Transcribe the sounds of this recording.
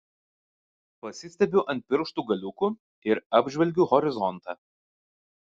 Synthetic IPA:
pɐsʲɪsʲt̪ʲɛbʲʊʔɐnt̪̚ʲpʲɪɾkʃt̪uːɡɐlʲʊku | ɪɾɑːbʲʒʲʋʲɛlʲɡʲuːhɔɾʲɪzɔnˑt̪ɑː

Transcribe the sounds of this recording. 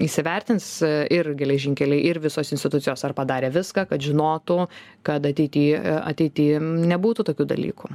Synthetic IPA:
iːsʲɪʋʲɛɾʲt̪ʲɪnsɪrɡʲɛlʲɛʒʲɪŋʲkʲɛlʲɛɪʔɪɾʋʲɪsoːsɪnsʲt̪ʲɪt̪ʊtt͡s̪ʲsʲɪjoːsɐrpɐd̪ɑːɾʲeːʋʲɪskɑkɐt̪ʒʲɪnoːt̪u | kɐt̪ɐt̪ʲɛɪt̪ʲiːɐ̰t̪ʲɛɪt̪ʲiːnʲɛbuːt̪uːt̪oːkʲuːd̪ɐ̰lʲḭːku

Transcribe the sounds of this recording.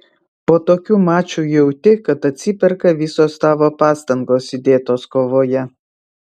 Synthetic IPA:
poːt̪oːkʲuːmɑːt͡ʃʲuːjɛʊt̪ʲɪkɐt̪ɐt̪ʲsʲɪpʲɛɾkɐʋʲɪsoːst̪ɑːʋoːpɑːst̪ɐŋɡoːsɪd̪ʲeːt̪oːskoːʋoːjɛ

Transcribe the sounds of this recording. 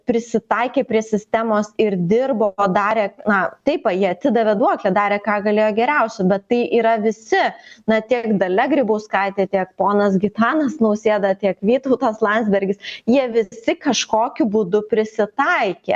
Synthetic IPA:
pʲɾʲɪsʲɪt̪ɐɪkʲeːpʲɾʲiɛsʲɪsʲt̪ʲɛmoːsɪɾd̪ʲɪrboːd̪ɑːɾʲeːnɐt̪ɐɪpʋɐjiɛɐt̪ʲsʲɪd̪ɐʋʲɛd̪uɔklʲɛd̪ɑːɾʲeːkɑːɡɐlʲeːjoːɡʲɛɾʲɛʊsʲɛbʲɛt̪ːɐɪʔiːɾɐʋʲɪsʲɪnɐt̪ʲiɛkd̪ɐlʲɛɡɾʲɪbɐʊskɐɪt̪ʲeːt̪ʲiɛkpoːnɐsɡʲɪt̪ɑːnɐsnɐʊsʲeːd̪ɐt̪ʲiɛkʋʲiːt̪ɐʊt̪ɐslˠɐnʲzʲbʲɛɾʲɡʲɪsjiɛʋʲɪsʲɪkɐʃkoːkʲʊbud̪ʊpʲɾʲɪsʲɪt̪ɐɪkʲḛː

